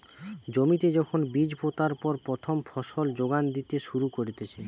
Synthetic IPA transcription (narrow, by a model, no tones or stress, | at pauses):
d͡ʑomit̪ed͡ʑɔkʰonbid͡ʑbot̪aɾpɔɾpɾot̪ʰomfʰɔʃold͡ʑoɡand̪it̪eʃuɾukoɾit̪et͡ɕʰe